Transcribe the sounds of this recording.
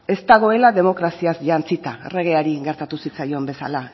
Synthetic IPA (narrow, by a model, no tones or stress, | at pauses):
e̞st̪aɣ̞o̞e̞laðe̞mo̞kɾasiasʝant͡sit̪aḛre̞ɣ̞e̞aɾiɣe̞ɾt̪at̪usit͡sajo̞mbe̞sa̰la